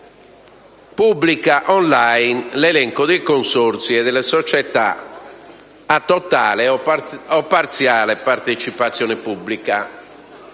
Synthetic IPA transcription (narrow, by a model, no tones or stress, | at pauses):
pubːlikaʔɔnlajnlɛlɛŋkod̪ejkonsoɾt̪siɛd̪ɛlːɛsɔt͡ʃɛt̪a̰ | at̪ːɔt̪aːleɔpːaɾt̪sjaːlɛpaɾt̪et͡ʃipat̪sːjɔːnɛpublika